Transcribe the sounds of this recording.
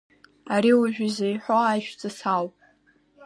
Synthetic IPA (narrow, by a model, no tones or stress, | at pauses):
aɾiuʒᶣizejħʷoajʃᶣd͡zʼasawpʼ